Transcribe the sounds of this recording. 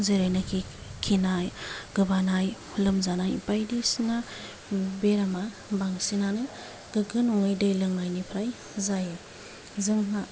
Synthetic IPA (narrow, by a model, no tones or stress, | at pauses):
zeɾajnakʰi | kʰinajɡ̥ɯbanaj | lɯmzanajpajdisiŋa | beɾama | baŋsinanɯ | ɡɯɡɯnɔŋɯjdɯjlɯŋnajnipʰɾaj | zajɯ | zɯŋɦa